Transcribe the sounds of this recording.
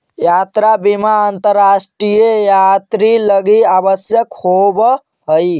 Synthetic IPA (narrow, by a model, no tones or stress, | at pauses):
jat̪ɾabimaənt̪əɾːasʈɾijəjat̪ɾiləɡiabəsjəkhobə | ɦəj